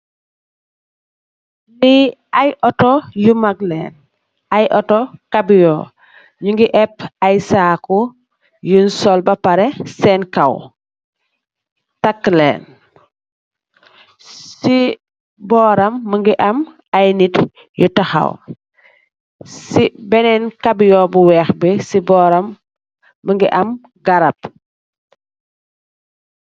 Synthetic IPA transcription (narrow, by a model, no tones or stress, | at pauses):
liajʔɔtɔjumaɡlen | ajʔɔtɔkabijɔ̰ | ɲuŋɡiʔɛpajsaːku | junsɔlbɐpaɾɛsɛnkaw | takːlḛːn | si | bɔːɾɐmːəŋɡiʔɐm | ajnit | jutɐxɐ̰w | sibɛnɛnkabjɔbuwɛːxbɛsibɔɾɐmː | əŋɡiʔɐm | ɡɐɾɐp̚